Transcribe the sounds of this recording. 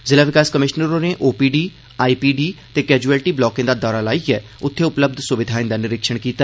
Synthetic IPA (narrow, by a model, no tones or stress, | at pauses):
zɪlaːʋɪkaːskəmɪʃnəɾõːneːʔoːpiːɖiː | aːiːpiːɖiːt̪eːkɛːd͡ʒuːɛːlʈiːblɔːkẽːd̪aːd̪ɔːɾaːlaːiːɛː | ʊt̪ʰːeːʊpləb̚d̪ʱsʊʋɪd̪ʱaːĩnd̪aːnɪɾɪkʃəɳ̃kiːt̪aː